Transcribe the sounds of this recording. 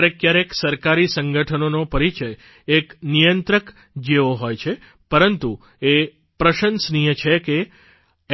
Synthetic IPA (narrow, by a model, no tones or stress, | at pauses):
ɾekjaɾeksəɾkaɾisə̃ŋɡʱəʈʰənonopəɾit͡ʃəj | eknijənt̪ɾək | d͡ʒeʋoɦojt͡ʃʰe | pəɾənt̪u | e | pɾəʃənsnijət͡ʃʰeke